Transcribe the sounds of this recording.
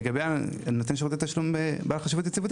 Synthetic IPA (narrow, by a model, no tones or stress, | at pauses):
ɡabeanot̪enʃ̬eʁot͡set̪aʃlumebaːlaχaʃivut̪jet͡sivut̪